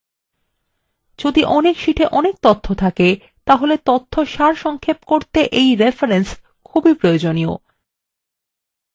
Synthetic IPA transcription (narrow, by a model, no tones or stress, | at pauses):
d͡ʑod̪iʔɔnekʃiʈʰeʔɔnek̚t̪ot̪ʰːot̪ʰake | t̪aɦolet̪ot̪ʰːoʃaɾʃɔŋkʰepkoɾt̪eʔejɾefaɾens | kʰubipɾojod͡ʑonio̰